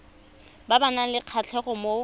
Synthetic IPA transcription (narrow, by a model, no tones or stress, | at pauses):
babanalɪq͡χʰat͡ɬʰɛχʊmo